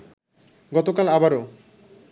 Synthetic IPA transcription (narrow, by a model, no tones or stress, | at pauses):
ɡɔt̪okalabaɾo